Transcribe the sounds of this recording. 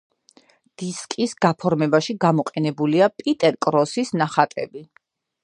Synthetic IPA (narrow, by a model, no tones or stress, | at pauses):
d̪̥iskʼisɡapʰɔɾmɛbaʃiɡamɔqʼɛnɛbuliapʼit̪ʼɛɾkʼɾɔsisnaχat̪ʼɛbi